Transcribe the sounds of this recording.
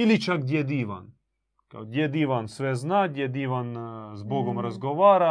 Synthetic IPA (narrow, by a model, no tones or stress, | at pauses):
ilit͡ʃak̚d̪jɛd̪iːʋa̰n | ka̰ɡd̪ʲjɛd̪iʋansʋɛznaːɡd̪jɛd̪iːʋanzboɡomɾazɡoʋaːɾa